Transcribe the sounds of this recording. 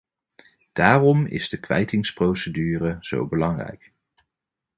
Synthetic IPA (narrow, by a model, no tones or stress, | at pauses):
d̥aːrɔmɪ̰zdəkʋɛ̰jtɪŋsprowsədyːrəz̥o̰wbəlɑŋrɛ̰jk